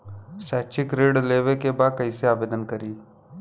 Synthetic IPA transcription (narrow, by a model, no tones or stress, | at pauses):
sɛːt͡ʃʰɪkɾeːɖleːʋekebaːd̪̚kɐiseaːʋeːd̪ənkɐɾiː